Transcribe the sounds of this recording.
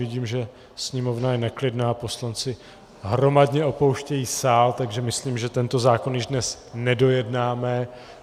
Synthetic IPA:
ɪɟiːmʒɛ | sɲɛmo̞vnajɛnɛklɪdnaːpo̞slant͡sɪ | ɦɾo̞madɲɛo̞po̞wʃcɛjiːsaːlt̪aɡʒɛmɪsliːmʒɛt̪ɛnt̪o̞zaːko̞njɪʒdnɛs | nɛdo̞jɛdnaːmɛ

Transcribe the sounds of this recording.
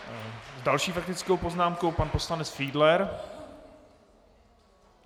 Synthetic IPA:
zdalʃiːfak̚t̪ɪt͡skowpo̞znaːmko̞wpanpo̞slanɛt͡sfiːdlɛɾ

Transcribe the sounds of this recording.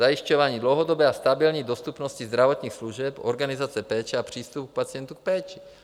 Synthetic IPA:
ajiʃcɔʋaːɲiːdlowɦɔd̪ɔbɛːast̪abilɲid̪ost̪upnɔscizd̪ɾavot̪ɲiːxsluʒɛpoɾɡanizat͡sɛpɛːt͡ʃɛapr̝̥iːst̪upuk̚pat͡sɪɛnt̪uk̚pɛːt͡ʃi̥

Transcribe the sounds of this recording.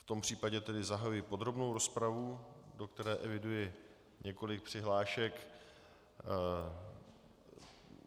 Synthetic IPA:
ft̪o̞mpr̝̥iːpaɟɛt̪ɛdɪzaɦajujɪpo̞d̪ɾo̞bnowɾo̞spɾavudo̞kt̪ɛɾɛːʔɛvɪdujɪ | ɲɛko̞lɪk̚pr̝̥ɪɦlaːʃɛk

